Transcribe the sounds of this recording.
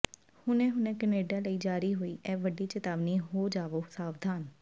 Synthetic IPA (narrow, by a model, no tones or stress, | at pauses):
hʊnɛ̃ːɦʊnɛ̃ːkəneːɖaːləiːd͡ʒaːɾiːɦoːiːʔɛːʋəɖiːt͡ʃət̪aːʋniːɦoːd͡ʒaːʋoːsaːʋd̪ʱaːn